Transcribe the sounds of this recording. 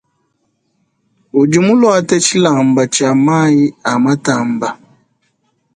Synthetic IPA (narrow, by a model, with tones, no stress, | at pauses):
u˨d͡ʒi˨mu˦lwa˦tɛ˦t͡ʃi˦la˨mba˨t͡ʃa˨ma˦i˦a˨ma˦ta˨mba˨